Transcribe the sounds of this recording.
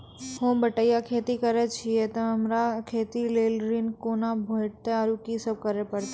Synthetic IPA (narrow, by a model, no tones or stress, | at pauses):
hõːbəʈəjakʰeːt̪ikəɾet͡ʃʰijet̪oəmɾakʰeːt̪ileːlɾinkoːnabʱojʈt̪eaɾukisəb̚kəɾepəɾt̪e